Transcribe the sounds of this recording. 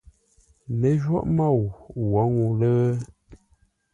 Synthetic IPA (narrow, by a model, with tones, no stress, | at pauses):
nə˨˦ʒwɔ̰˦ʔma˦˨wwɔ˨˦ŋu˨lə˦